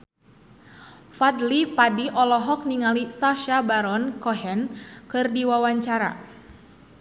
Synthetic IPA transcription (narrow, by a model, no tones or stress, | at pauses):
fad̪lipadiʔɔlɔɦɔk̚niŋalisaʃabaɾɔnkɔɦɛnkɨrdiwawaɲt͡ʃaɾa̰